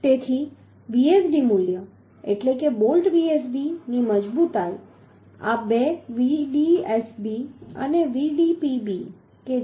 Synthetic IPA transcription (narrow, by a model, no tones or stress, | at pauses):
t̪et̪ʰi | ʋiesɖimuljə | ḛʈlekebolʈʋiesɖiniməd͡ʒbut̪aj | a̰beʋiɖiesbiə̰neʋiɖipibi | ke